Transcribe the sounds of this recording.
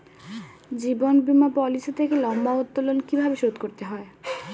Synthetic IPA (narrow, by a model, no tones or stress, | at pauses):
d͡ʑibonbimapɔliset̪ʰekelɔmbaod̪ːolonkibʱabeʃod̪koɾt̪eɦɔe